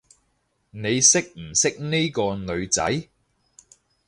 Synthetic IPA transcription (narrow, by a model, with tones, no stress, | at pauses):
ne˨˧jsɪ˥k̚m̩˨˩sɪ˥k̚ni˥kɔː˧nɵ˨˧ɥt͡sɐ̰˨˥j